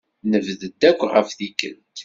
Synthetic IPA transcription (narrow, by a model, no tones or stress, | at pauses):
nəvðəd̪ːækʷːʁə̰fðikə̰nt̪